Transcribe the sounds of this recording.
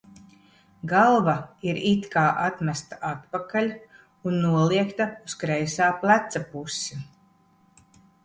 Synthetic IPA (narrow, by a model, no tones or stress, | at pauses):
ɡalˠvaiɾit̪kaːʔat̪mæst̪aʔat̪̚pakalʲ | unːuɔliɛkt̪auskɾɛjsaːplˠæt̪sapusi